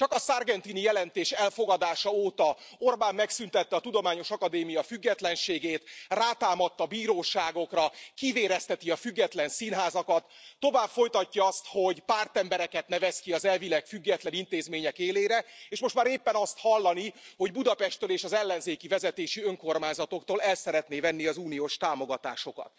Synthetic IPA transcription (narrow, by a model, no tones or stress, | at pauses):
t͡ʃɒkɒsarɡɛnt̪inijɛlɛnt̪eːʃɛlfo̞ɡɒd̪aːʃɒoːt̪ɒo̞rbaːmːɛksynt̪ɛt̪ːɛɒt̪ud̪o̞maːɲo̞ʃɒkɒd̪eːmijɒfyɡːɛt̪lɛnʃeːɡeːt̪raːt̪aːmɒt̪ːɒbiːɾoːʃaːɡo̞krɒkiveːɾɛst̪ɛt̪iɒfyɡːɛt̪lɛnsinɦaːzɒkɒt̪ːo̞vaːbfo̞jt̪ɒcːɒɒst̪ho̞ɟpaːrt̪ɛmbɛɾɛkɛt̪nɛvɛskiɒzɛlvilɛkfyɡːɛt̪lɛnint̪eːzmeːɲɛkeːleːɾɛeːʃmo̞ʃt̪maːɾeːpːɛnɒst̪hɒlːɒniho̞ɟbud̪ɒpɛʃt̪ːøleːʃɒzɛlːɛnzeːkivɛzɛt̪eːʃiøŋko̞rmaːɲzɒt̪o̞kt̪oːlɛlsɛɾɛt̪neːvɛnːiɒzuːnijoːʃt̪aːmo̞ɡɒt̪a̰ːʃo̞kɒ̰t̪̚